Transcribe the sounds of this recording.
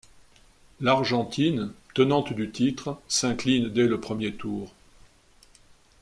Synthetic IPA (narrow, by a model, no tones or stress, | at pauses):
laʁʒɑ̃t̪int̪ənɑ̃t̪d̪yt̪it̪χsɛ̃klind̪ɛləpχəmjet̪uːʁ